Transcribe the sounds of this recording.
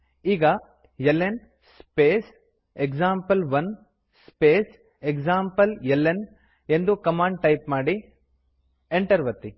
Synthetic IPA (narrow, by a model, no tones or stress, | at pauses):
iːɡɐ | jelːen | speːs | eksaːmpɐlʋɐn | speːs | ekd͡ʒaːmpɐljelːen | e̞nd̪ukɐmaːɳɖʈɐjpmaːɽi | eɳʈɐɾʋɐt̪ːi